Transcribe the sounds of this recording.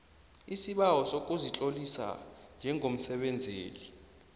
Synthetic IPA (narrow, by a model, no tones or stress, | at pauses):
isiɓawɔsok̬ʼuzit͡ɬʼolisa̰nd͡ʒʱɛŋʱom̩sɛɓɛnd͡zʱeːli